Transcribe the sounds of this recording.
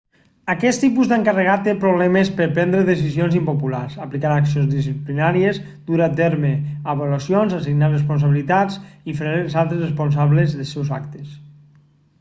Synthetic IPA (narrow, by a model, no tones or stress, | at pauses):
akɛt̪t̪ipuzðəŋkarəɣat̪ːepɾoβlɛmespəɾpɛnd̪ɾeðesizionzimpopulaɾzaplikaɾaksionzðisiplinaɾiez | d̪̥uɾat̪ɛɾmeaβolasjonzasiɡnarespuns̬aβilit̪at͡sifɾeelˠzalˠt̪ɾezrespunsaβlezðəsɛwzakt̪es